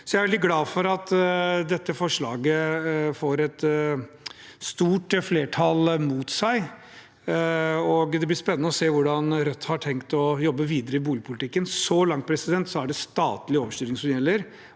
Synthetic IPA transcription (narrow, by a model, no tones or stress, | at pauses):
sɔjæɪɾʋɛlɪt̪ɡlɑːfɔɾɑt̪d̪ɛt̪ːəfɔʂɭɑːɡəfoːɾɛt̪ | st̪uːʈfleːʈʰɑlmuːt̪sæɪ | ɔɡd̪ɛblɪspɛnənəɔseːʋʊɖɑnɾœt̪ːhɑʈʰɛŋkt̪ɔjɔbːəʋiːd̪əɾəɪbuːlɪəpʰʊlɪt̪ʰɪkːənsɔlɑŋt̪pʰɾɛsɪd̪ɛnt̪sɔæɖɛst̪ɑ̰ːt̪lɪoːʋəʂt̪yːɾɪŋsɔmjɛlːəɾ